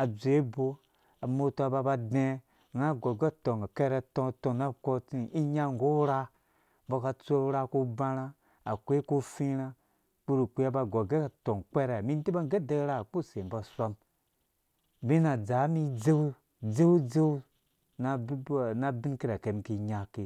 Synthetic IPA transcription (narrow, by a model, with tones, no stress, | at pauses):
a˨d͡ze˦bo˦ | a˨mo˦to˦a˨ba˧ba˧de˦˨ | ŋa˦˨ɡo˨ɡe˦˨to˨ŋa˨ke˦ɾa˧to˦˨to˨na˦ko˦t͡si˦ʔi˦ɲa˦ŋ˨ɡo˦ɾa˦ | bo˧ka˧t͡se˦u˦ɾa˦ko˦ba˦ɾa˦ | a˨kʷe˦ko˦fĩ˦ɾa˦ | k͡pu˦ɾu˨kʷi˦a˦ba˨ɡo˨ɡe˦ka˨to˨ŋ˨k͡pe˦ɾe˨mi˦n˦ti˦ba˦ŋ˦ɡe˦de˦ɡɾa˦˨k͡pu˦˨se˨m˨ba˨sʷo˦m | bi˦na˨d͡za˨˦mi˦d͡ze˦wu˦ | d͡ze˦wd͡ze˦wu˦ | na˦˨na˦bi˦ki˦ɾa˨ke˨mki˦ɲa˦ke˨